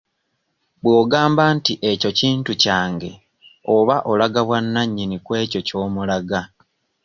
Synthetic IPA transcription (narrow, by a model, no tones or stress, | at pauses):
βwo̞ːɡaːmbantiʔeco̞ciːntucaːŋɡe̞ | o̞βaʔo̞laɡaβwanːaɲːinikwe̞ːco̞co̞ːmulaɡa